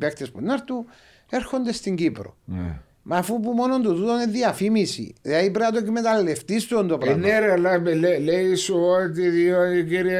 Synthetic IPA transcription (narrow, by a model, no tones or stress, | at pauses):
pekt̪espunːɐɾt̪u | e̞ɾxo̞nd̪e̞st̪iɲɟipɾo̰ | mɐfupumo̞no̞nt̪uðut̪oneðiɐfimisḭðeipɾeɐt̪̬okmet̪ɐlːeft̪ist̪ond̪opɾɐneɾɐlɐmeleleisuot̪iðioikiɾ